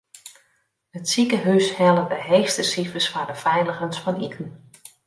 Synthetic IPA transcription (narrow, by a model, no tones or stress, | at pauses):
hətsikəɦyshɛlədəɦejxstəsifəsfaɹdəfɛjləɣənsfɑnitʰn̩